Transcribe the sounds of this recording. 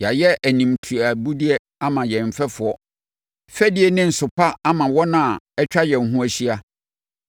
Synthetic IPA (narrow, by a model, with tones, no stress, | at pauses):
ja˨jɛ˦ʔæ˨nĩ˨m˨tʰu˨a˨bu˦di˦ɛ˦ | a˦mã˨jɛ˨m̩˨fɛ˦fʊ˨ɔ˦ | fɛ˦di˦ɛ˨nɪ̃˦n̩˨sʊ˨pʰa˦a˦mã˨wɔ˦nã˦a˨ɛ˦t͡ɕᶣa˦jɛ˨n̩˨ɦũ˦æ˦ɕi˦a˦